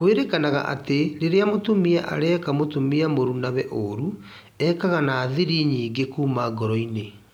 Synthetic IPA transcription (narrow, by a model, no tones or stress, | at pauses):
kweɾekanaɣa̰ʔa̰teɾeɾeamotomiɛʔa̰ɾɛːkamotomiamoɾunaβɛʔoɾu | ɛːkaɣanaːðiɾiɲiːŋɡekuːmaɡɔɾɔine